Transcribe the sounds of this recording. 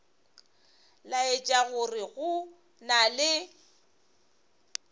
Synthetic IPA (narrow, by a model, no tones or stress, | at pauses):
laɪt͡ʃʼaɣʊrɪɣʊ | nalɪ